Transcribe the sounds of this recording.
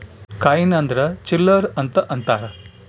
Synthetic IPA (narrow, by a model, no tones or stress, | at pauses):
kajinɐnd̪ɾɐt͡ʃilːəɾɐnt̪ɐʔɐnt̪aːɾɐ